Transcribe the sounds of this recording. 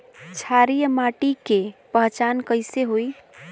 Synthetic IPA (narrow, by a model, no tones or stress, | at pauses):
t͡ʃʰaɾijmaʈikepəɦt͡ʃankəɪseɦoj